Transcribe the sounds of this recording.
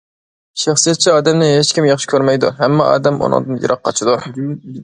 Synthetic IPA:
ʃɑχsijɛt̪̚t͡ʃʰiɑːd̪ɛmnɪɦet͡ʃkʲimjɑχʃɪ̥kʲʰøɾmɛjd̪ṵɦɛmːɑʔɑ̰ːd̪ɛmo̰nɨ̰ŋd̪ɨnjɨ̰ɾʔɑqʰːɑ̰t͡ʃʰɪd̪u

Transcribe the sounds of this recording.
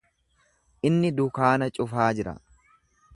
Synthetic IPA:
ʔɪnːɪd̪ʊkaːnɐt͡ʃʼʊfaːd͡ʒɪɾɐ̰

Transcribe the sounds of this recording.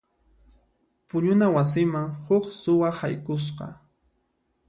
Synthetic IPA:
pʊʎʊnawas̬ɪmaŋhʊχsʊwahajkʊs̬qɑ̰

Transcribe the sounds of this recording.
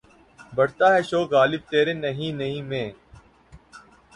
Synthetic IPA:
bɐɽ̤t̪aːɦɛːʃoːkɣaːlɪb̚t̪eːɾeːnɐɦĩːnɐɦĩːmẽː

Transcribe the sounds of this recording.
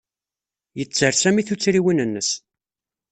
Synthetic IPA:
jət͡sːəɾsæmiθut͡sːɾiwinənːəs

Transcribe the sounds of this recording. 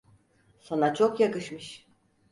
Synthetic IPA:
sanat͡ʃʰokjakɯʃmɯʃ

